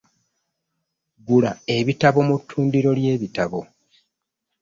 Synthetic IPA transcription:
ɡula̰e̞βitaβo̞mutʰːuːndiɾo̞lje̞ːβitaβo̞

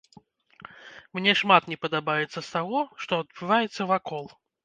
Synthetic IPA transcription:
mnʲɛʂmat̪nʲɛpɐd̪abajɛt̪sːɐst̪aɣɔʂt̪ɔɐd̪̚bɨvajɛt̪sːɐvakɔlˠ

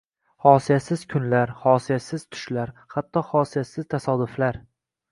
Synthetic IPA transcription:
hɒsijasɪzkʰʊnlaɾhɒsijasɪz̥t̪ʰʊ̥ʃlaɾhat̪ʰːɒhɒsijasɪz̥t̪ʰasɒd̪ʊflaɾ

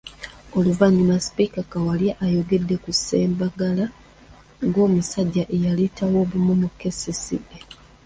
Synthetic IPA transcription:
o̞luvaɲːimaspikakawaljaʔːjo̞ɡe̞dːe̞kuseːmbaɡala | ŋɡo̞ːmusaɟːaʔe̞jalitawo̞ːβumunoke̞sisḭbe

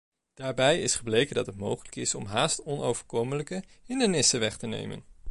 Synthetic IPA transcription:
d̥aːɹbɛjɪsχəblejkəndɑtɦətmowχələkɪsɔmɦaːstɔnowv̥əɹkomələkəɦɪndəɹnɪsəʋɛχtənḛjmə̰n

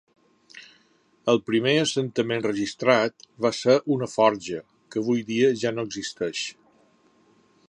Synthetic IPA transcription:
əlˠpɾimeəsənt̪əmẽnrəʒist̪ɾat̪βasəɾʔunəfɔɾʒə | kəːβ̞ujðiəʒanoəɡzist̪ɛʃ

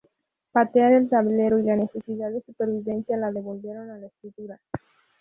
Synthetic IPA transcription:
pat̪eaðelt̪aβle̞ɾoilane̞se̞siðaðesupe̞ɾβiβe̞nsjalaðe̞βo̞lbje̞ɾo̞nalaesk̪ɾit̪uɾa

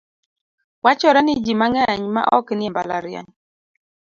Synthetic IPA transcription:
wat͡ʃɔɾɛnɪd͡ʒimaŋɛɲma̰ʔɔ̰knɪɛmba̰la̰ɾja̰ɲ

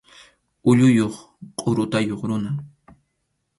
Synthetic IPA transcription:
ʊʎʊjoχ | qʼoɾʊt̪ajoχɾʊna

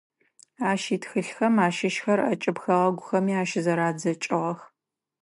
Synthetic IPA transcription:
aːʃiːtxɨɬxɐmaːʃɪʃxɐrɐ̰t͡ʃʼɪpxɐʁɐɡʷʊxɐmiːaːʃɪzɐɾaːd͡zɐt͡ʃʼɨʁɐx

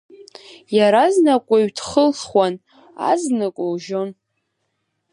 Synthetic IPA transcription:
jaɾaznakʷʼaɥtʰχəlχwʷan | a̰znɨkʷʼolʒo̞n

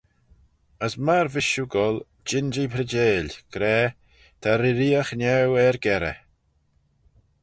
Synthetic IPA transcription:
əsmaɾvɪʃuɡɔl | d͡ʒɪnd͡ʒipʰɾəd͡ʒeːlɡ̥ɾɛː | t̪ʰaɾɪɾiːəxnɛwɛɾɡɛɾə̰

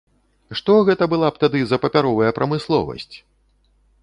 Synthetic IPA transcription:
ʂt̪ɔɣɛt̪ɐbɨlˠap̚t̪ad̪ɨzɐpɐpʲaɾɔvɐjɐpɾʔɐmɨslˠɔ̰vɐ̰sʲt͡sʲ

